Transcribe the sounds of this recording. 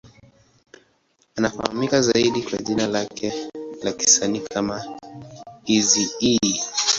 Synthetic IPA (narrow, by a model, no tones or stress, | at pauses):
anafa̰ha̰mikazaiɗikwa̰ʄinalakʰɛlaki̥sanikʰama | izii